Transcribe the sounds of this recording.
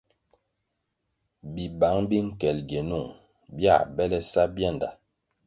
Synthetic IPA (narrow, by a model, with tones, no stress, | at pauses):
bi˨ba˨˦ŋbi˦ŋ̩˦˨kɛ˨lɡe˨nu˦˨ŋ | bja̰˦˨bɛ˦lɛ˦sa˦bja˦˨nda˨